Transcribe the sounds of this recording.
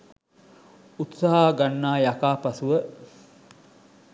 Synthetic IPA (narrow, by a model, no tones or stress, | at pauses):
ut̪saɦaːɡanːaːjakaːpasuʋə